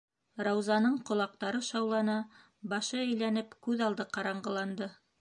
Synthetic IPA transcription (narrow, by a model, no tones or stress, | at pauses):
ɾɑwzɑnɤɴqŏlˠɑq̚t̪ɑɾɤʃɑwlˠɑnɑ | bɑʃɤɘ̆jlænɘpkʉðɑlˠd̪ɤqɑɾɑɴɢɤ̆lˠɑnd̪ɤ